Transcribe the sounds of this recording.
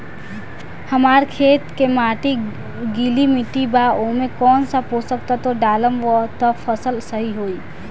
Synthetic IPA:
həmaːɾkʰeːt̪kemaːʈi | ɡilimɪʈːibaomẽkɔːnsapɦosəkt̪at̪oɖaːləmʋɔt̪əpʰəsəlsəɦiɦoːiː

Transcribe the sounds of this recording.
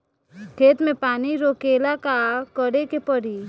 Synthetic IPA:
kʰeːt̪mẽpaːniɾoːkeːlakakəɽekepəɽi

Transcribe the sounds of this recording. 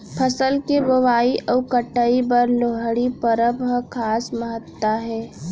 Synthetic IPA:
pʰəsəlkebəʋaːiʔɔukəʈːəibəɾloɦəɽipəɾəbɦəkʰaːsməɦət̪ːwaɦɛː

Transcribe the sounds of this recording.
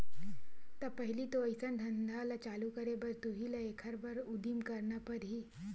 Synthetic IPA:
t̪əpəɦiliːt̪oəjsənd̪ʱənd̪ʱalat͡ɕalukəɾebəɾt̪uɦilaekʰəɾbəɾud̪iːmkəɾɳapəɾɦiː

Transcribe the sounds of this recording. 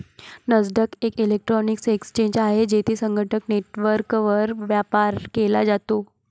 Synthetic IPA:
nəd͡zd̪əkekilek̚ʈɾɔniksekst͡ɕẽɲd͡ʑaɦed͡ʑet̪ʰiːsəŋɡʱəʈʰəkneʈʋəɾkʋəɾʋjapaɾkelad͡zat̪o

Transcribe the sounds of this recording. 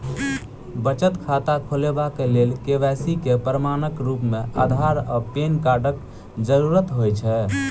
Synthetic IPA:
bət͡ʃət̪kʰat̪akʰolebakelelkeʋɛsikepɾəmanəkɾupmea̰d̪ʱaɾəpenkaɖək | d͡ʒəɾuɾət̪ɦojt͡ʃʰɛ

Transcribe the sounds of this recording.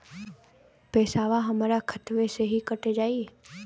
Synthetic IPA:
pɛːsaːʋaɦɐmaɾakʰət̪ʋeseɦikəʈed͡ʒaːi

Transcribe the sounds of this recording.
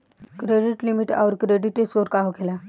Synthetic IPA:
kɾeɖiʈlimiʈaʋɾkɾeɖiʈesoɾkaɦokela

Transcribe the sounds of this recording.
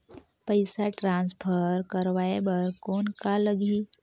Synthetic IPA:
pəɪsaʈɾãːnspʰəɾkəɾʋaːebəɾkoːnkaləɡi

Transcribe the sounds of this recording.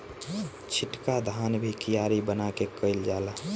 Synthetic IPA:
t͡ʃʰiʈkad̪ʱanbʱikijaɾibənakekəɪld͡ʒala

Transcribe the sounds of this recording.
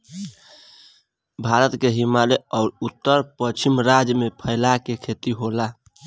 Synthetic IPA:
bʱaɾət̪keɦimaleɔʊɾut̪ːəɾpət͡ʃʰimɾad͡ʒmepʰəɪlakekʰet̪iɦola

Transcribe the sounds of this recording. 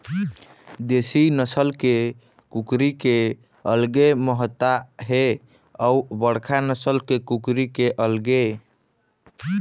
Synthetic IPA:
d̪esinəsəlke | kukɾike | əlɡeməɦət̪ːaɦe | əubəɽkʰanəsəlkekukɾikeʔəlɡe

